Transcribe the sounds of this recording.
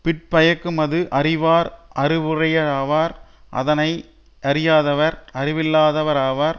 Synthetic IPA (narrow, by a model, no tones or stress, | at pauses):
pɪʈ̚pɐjɐkːɯmɐðɯʔɐrɪʋaːɾʔɐrɯʋɯrɐjɐɾaːʋaːɾ | ʔɐ̰ðɐnɐɪ | ʔɐɾɪjaːðɐʋɐɾɐrɪʋɪlːaːðɐʋɐɾaːʋaːɾ